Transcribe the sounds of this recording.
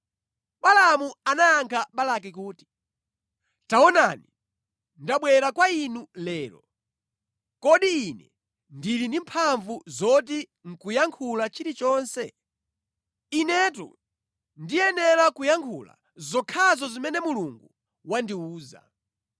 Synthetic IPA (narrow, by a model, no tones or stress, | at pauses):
ɓalamuanaaŋkʰaɓalak̬ikuːti̥ | taɔnani | ndaɓwɛɾakwainulɛːlɔ̰ | kɔɗiinɛ | ndilindimpʰaɱvuzɔt̬i | ŋ̩kujaŋkʰulat͡ʃiɾit͡ʃɔːnsɛ | inɛtṵ | ndiɛnɛɾakujaŋkʰula̰ | zɔkʰazɔzimɛnɛmuluŋɡu | wandiuːza̰